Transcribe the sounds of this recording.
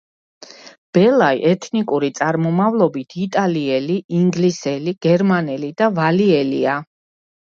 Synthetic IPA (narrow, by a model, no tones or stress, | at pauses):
b̥ɛlˠaiʔɛt̪ʰnikʼuɾit̪sʼaɾmɔmavlˠɔbit̪ʰit̪ʼaliɛliiŋɡlisɛliɡ̥ɛɾmanɛlid̪avaliɛlḭa